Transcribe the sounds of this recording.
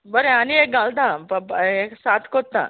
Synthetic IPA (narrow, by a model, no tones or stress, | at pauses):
bəɾeaniek̚ɡalt̪ãpəpeksat̪ʰkot̚t̪ːã̰